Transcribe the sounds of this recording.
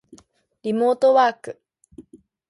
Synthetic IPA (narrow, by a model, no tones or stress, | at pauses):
ɾimoːt̪owaːkɯ